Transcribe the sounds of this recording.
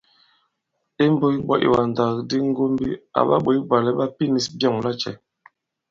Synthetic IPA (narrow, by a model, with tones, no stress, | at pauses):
e˦m˦bo˦i˦ɓɔ˦ʔḭ˨wa˨n˨da˨kdi˦ŋ˦ɡo˦mbi˦a̰˨ɓa̰˦ɓo˨˦i˦ba˨lɛ˦ɓa˦pi˦ni˨˦sbjɔ˦˨ŋla˦t͡ʃɛ̰˨